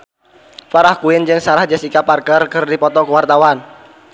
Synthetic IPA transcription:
faɾahkuɪnd͡ʒɨŋsaɾahd͡ʒasikaparkərkɨrdipɔt̪ɔkəwart̪awan

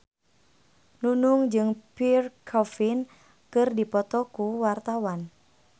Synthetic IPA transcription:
nunuŋd͡ʒɨŋpirkʰɔfin | kɨrdipɔt̪ɔkuwart̪awan

